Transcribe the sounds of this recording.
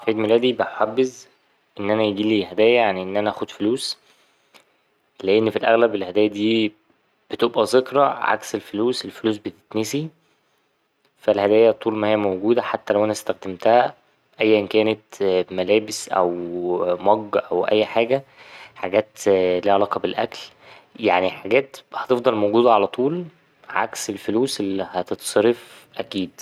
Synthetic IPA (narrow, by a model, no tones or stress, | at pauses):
feːd̪melæːd̪ibæħoħabːez | ʔenːʔænæjeɡiːliːhæd̪æːjæjaʕniʔenːʔænæʔæːxod̪foluːs | leʔenːfilʔæɣlæbelhæd̪æːjæd̪iː | b̥et̪ebʔæzekɾˤɑʕa̰kselfoluːselfoluːs̬bet̪e̥t̪nesi | fælhæd̪æːjæt̪ˤːuːlmæhejːæmowɡuːd̪æħat̪ːælæwʔænæst̪æxd̪æmt̪æhæ | ʔæjːʔenkæːnet̪mælæːbesʔæ̰wmɑɡːʔæwʔæ̰jːħaːɡæħaɡæːt̪liːʕalɑːqɑbelʔæ̰kl | jaʕniħaɡæːt̪hɑt̪efd̪ˤɑlmowɡuːd̪æʕalæt̪ˤuːl | ʕa̰kselfoluːsʔelːihæt̪et̪sˤɑɾef | ʔækiːd̪̥